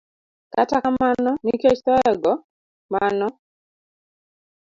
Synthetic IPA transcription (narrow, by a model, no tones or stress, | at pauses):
katakamanɔniket͡ʃt̪ɔɛɡɔ | manɔ